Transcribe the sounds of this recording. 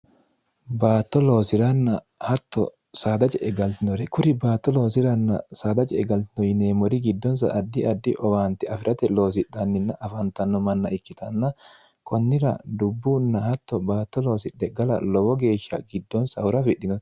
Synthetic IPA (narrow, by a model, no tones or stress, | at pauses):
baːt̪ːɔlo̞ːsɪɾɐnːɐ | hɐt̪ːɔ̰ | saːd̪ɐt͡ʃʼɛʔɛɡɐlt̪ɪnɔɾɛkʊɾɪbaːt̪ːɔlo̞ːsɪɾɐnːɐsaːd̪ɐt͡ʃʼɛɛɡɐlt̪ɪnɔjɪneːmɔɾɪɡɪd̪ːɔns̬ɐ̰ʔːd̪ːɪʔɐd̪ːɪʔɔwaːnt̪ɪɐfɪɾɐt̪ɛlo̞ːs̬ɪᶑɐnːɪnːɐʔɐfɐnt̪ɐnːɔmɐnːɐʔɪkːɪt̪ɐnːɐ | kʰɔnːɪɾɐ̰d̪ʊbːuːnːɐhɐt̪ːɔbaːt̪ːɔlo̞ːsɪᶑːɛɡɐlɐ̰lɔwɔɡe̞ːʃːɐ̰ɡɪd̪ːɔnsɐhʊɾɐfɪɗːɪnɔ̥